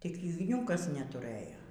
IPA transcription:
tʲɪk ɪɡˈnʲuːkɐs nʲɛtʊˈrɘjoː

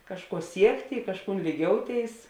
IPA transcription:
ˈkɑːʃˌkuɔ ˈsʲiɛktʲɪ ɪ ˈkɑːʃˌkuːn lʲiːˈɡʲoːʊˌtʲeːɪs

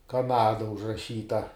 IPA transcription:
kɐˈnɑːdɐ ʊʒrɐˈʃʲiːtɐ

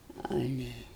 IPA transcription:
ˈɑːlʲɛ

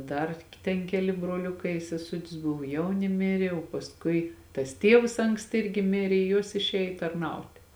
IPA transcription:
ˈdɐr tʲɛn ˈkʲæːlʲɪ broːˈlʲʊkɐɪ ɪ sʲɛˈsʊtʲɪs ˈbʊʋoː ˈjɛʊnʲɪ ˈmʲɪrʲɪ oː pɐsˈkʊɪ tɐs ˈtʲiɛws ˈɐŋksʲtʲɪ ˈɪrʲɡʲɪ ˈmʲɪrʲeː ɪ ˈjuɔs ɪʃʲˈeːj tɐrˈnɐʊtʲeː

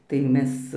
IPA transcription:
tɐɪ ˈmʲɛs

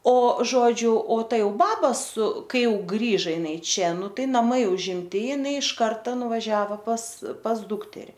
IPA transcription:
oː ˈʒoːd͡ʒʲʊ oː ˈtɐ ˈjɛʊ ˈbɑːbɐ sʊ ˈkɐɪ ˈjɛʊ ˈɡrʲiːʒɐ jɪˈnɐɪ ˈt͡ʃʲɛ ˈnʊ ˈtɐɪ nɐˈmɐɪ ʊʒʲɪmʲˈtʲɪ jɪˈnɐɪ ɪʃ ˈkɐrtɐ nʊʋɐˈʒʲæːʋoː pɐs pɐs ˈdʊktʲɛrʲɪ

